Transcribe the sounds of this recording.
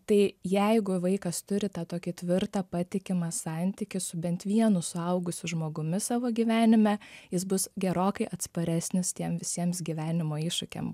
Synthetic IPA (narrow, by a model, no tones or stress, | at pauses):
t̪ɐɪjɛɪɡʊʋɐɪkɐst̪ʊɾʲɪt̪ɑːt̪oːkʲɪt̪ʲʋʲɪrt̪ɐpɑːt̪ʲɪkʲɪmɑsɑnʲt̪ʲɪkʲɪsʊbʲɛnt̪ʋʲiɛnʊsʊɐʊɡʊsʲʊʒmoːɡʊmʲɪsɑːʋoːɡʲiːʋʲæːnʲɪmʲɛjɪsbʊsɡʲɛɾoːkɐɪʔɐt̪spɐɾʲæːsʲnʲɪst̪ʲiɛmʋʲɪsʲiɛmsɡʲiʋʲæːnʲɪmoːiːʃʊkʲḛːm